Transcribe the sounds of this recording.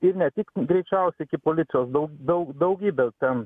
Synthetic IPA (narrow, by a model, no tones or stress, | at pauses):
ɪɾnʲɛt̪ʲɪkɡɾʲɛɪt͡ʃʲɛʊsʲɛɪkʲɪpoːlʲɪt̪sʲɪjoːsd̪ɐʊɡʲd̪ɐʊkd̪ɐʊɡʲiːbʲɛt̪ʲɛn